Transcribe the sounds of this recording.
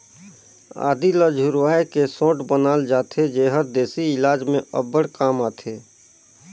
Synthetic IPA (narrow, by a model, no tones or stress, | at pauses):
a̰ːd̪iləd͡ʒʱʊɾʋaːekesõːʈbənaːld͡ʒaːt̪ʰed͡ʒeːɦəɾd̪eːsiɪlaːd͡ʒmẽə̰bəɽkaːmaːt̪ʰeː